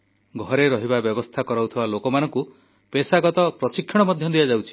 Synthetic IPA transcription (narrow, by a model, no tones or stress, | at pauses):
ɡʱɔɾeɾɔɦibabjɔbɔst̪ʰakɔɾawt̪ʰibalokɔmanɔ̃ŋku | pesaɡɔt̪ɔpɾɔsikʰːɔɽ̃ɔmɔd̪ʱjɔd̪ijad͡ʒawt͡ʃʰi̥